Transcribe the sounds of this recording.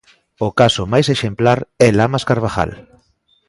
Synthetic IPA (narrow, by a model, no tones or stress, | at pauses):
okasomajseʃemplaɾɛlamaskaɾβaxa̰l